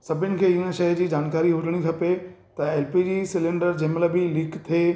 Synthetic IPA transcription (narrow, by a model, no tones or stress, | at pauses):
sɐbʱɪnɪ̆kʰeːɪnə̆ʃɐjd͡ʑiːd͡ʑaːnkaːɾiɦʊd͡ʑʱəɽ̃ikʰɐpe | t̪ɐɛːlpid͡ʑiːsɪlɪ̃ɳɖəɾd͡ʑeɦmləbilikt̪ʰeː